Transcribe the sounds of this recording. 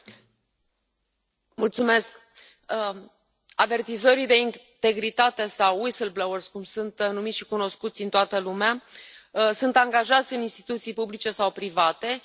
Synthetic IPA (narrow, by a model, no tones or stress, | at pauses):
mult̪sume̞sk | ave̞rt̪izoɾijd̪e̞int̪e̞ɡɾit̪at̪e̞sawisəlblowərskumsunt̪numit̪ʲʃi̥kuno̞skut̪sʲint̪oat̪əlumea | sunt̪aŋɡaʒat̪sʲɨninst̪i̥t̪ut̪sijpublit͡ʃe̞sawpɾivat̪e̞